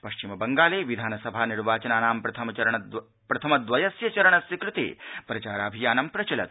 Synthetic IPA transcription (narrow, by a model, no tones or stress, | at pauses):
pɐʃt͡ʃimɐbɐŋɡaːleːʋid̪ʱaːnɐsɐbʱaːniɾʋaːt͡ʃɐnaːnaːmpɾɐt̪ʰɐmɐɐɾɐɳɐ | pɾɐt̪ʰɐmɐd̪ʋɐjɐsjɐt͡ʃɐɾɐɳɐsʋikɾɨt̪ḛːpɾɐt͡ʃaːɾaːbʱijaːnɐmpɾɐt͡ʃɐlɐt̪̚